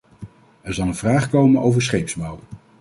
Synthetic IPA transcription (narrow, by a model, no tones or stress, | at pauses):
ɛɹzɑlˠənvraːχkowmənʔowvəɹsχejpsbɑw